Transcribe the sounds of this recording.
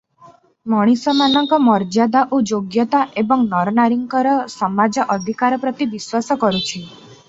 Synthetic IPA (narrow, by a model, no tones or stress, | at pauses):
mɔɽ̃isɔmanɔŋkɔmɔɾd͡ʒad̪aʔod͡ʒoɡjɔt̪aʔebɔŋnɔɾnaɾiŋkɔɾɔsɔmad͡ʒɔʔɔd̪ʱikaɾɔpɾɔt̪ibiswasɔkɔɾut͡ʃʰi